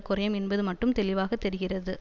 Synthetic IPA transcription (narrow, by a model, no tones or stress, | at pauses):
kʊɾɐjɐmɛnbɐðɯmɐʈːɯmt̪ɛlɪʋaːɣɐt̪ːɛɾɪɣɪrɐðɯ